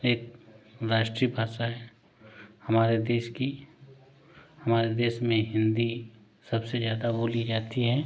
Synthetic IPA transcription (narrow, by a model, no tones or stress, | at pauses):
eːk̚ɾaːʃʈɾibʱaːʃaɦɛ | hɐmaːɾed̪eːʃki | hɐmaːɾed̪eːʃmẽɦɪ̃nd̪i | sɐbsezjaːd̪aboːlid͡ʒaːt̪iɦɛː